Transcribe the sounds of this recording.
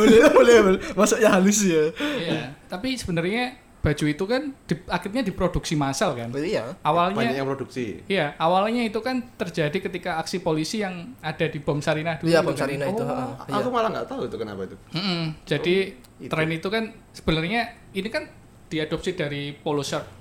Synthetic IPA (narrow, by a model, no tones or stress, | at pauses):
bolɛbolɛblmasʊʔɲaɦalɪsjajat̪apisəb̥ənərɲa | b̥a̤d͡ʒuit̪ukand̥iakɪrɲadipɾod̥uksimasalkanʔawalɲpaaapɾoduksḭijaawalɲait̪ukant̪ərd͡ʒadikət̪ikaːksipolisijaŋad̥adib̥ɔmsaɾinahd̥utuaɾinauakumalaŋɡa̰ʔt̪auit̪ukəna̰pait̪um̩m̩d͡ʒ̥adi | ɾɛnit̪ukan | sə̥b̥ənərɲa | inikan | d̥iad̥ɔp̚sid̥aɾipolosər